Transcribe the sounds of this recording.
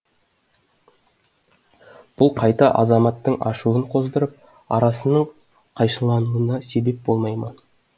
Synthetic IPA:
b̥ʊlˠqʰɑjt̪ɑʔɑzɑmɑt̪ːəɴɑʃuəɴqʰo̞zd̪əɾəp̚ | ɑ̰ɾɑsənəɴ | qʰɑjʃəlˠɑnuənɑse̞be̞p̚bo̞lˠmɑjmɑn

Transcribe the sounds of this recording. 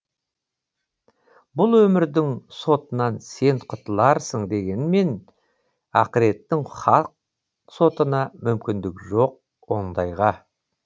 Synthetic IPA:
bʊlˠwɵmɪɾd̪ɪŋso̞t̪ənɑnse̞nqʰʊt̪əlˠɑɾsəɴd̪e̞ɡʲe̞nme̞n | ɑqəɾe̞t̪ːɪŋχɑlˠq̚ | so̞t̪ənɑmʏmkʲɪnd̪ɪkʒo̞q̚ | wo̞nd̪ɑjʁɑ

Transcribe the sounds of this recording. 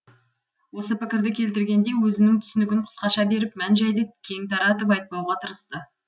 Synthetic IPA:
wo̞səpɪkʲɪɾd̪ɪkʲʰe̞lt̪ɪɾɡʲe̞nd̪e̞wɵzɪnɪŋt̪ʰʏ̥sɪnɪɡʲɪnqʰə̥sqɑʃɑbe̞ɾɪpmænʒæjd̪əkʲʰe̞ŋt̪ɑɾɑt̪ɪpɑjt̪̚pɑwʁɑt̪ʰəɾəst̪ə

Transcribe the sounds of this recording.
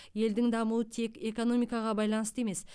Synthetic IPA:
je̞ld̪ɪŋd̪ɑmuwət̪ʰe̞kʲe̞ko̞no̞mijkɑʁɑbɑjlˠɑnəsəe̞me̞s

